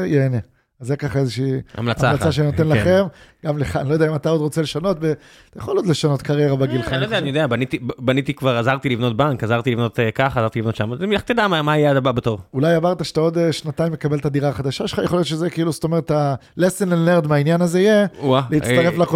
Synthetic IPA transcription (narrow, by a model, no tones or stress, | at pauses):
jeːne | azekaχaezeʃiːa̰mlat͡saalaaʃenot̪e̞nlaχemɡamleχa̰nilojdeaimat̪ao̞d̪ʁo̞t͡se̞leʃano̞tve | t̪ajaχoljod̪le̞ʃano̞t̪kaʁjeʁabeɡilχandeanijod̪eabanit̪ibanit̪ikvaʁazaʁt̪ilivno̞t̪̚baŋkazaʁt̪ilivno̞t̪kaχazaʁt̪ilivno̞t̪ʃamamilaχt̪ed̪amamaajead̪ababet̪oʁulajavaʁt̪aʃe̥t̪ao̞d̪eʃnataimjekabe̞lt̪ad̪iʁaːχadaʃaʃelχajeχoljot̪t͡ʃʃezekiiːlust̪o̞me̞ʁet̪alesenlenːeʁd̪meainjanazeijealeit̪aʁeflako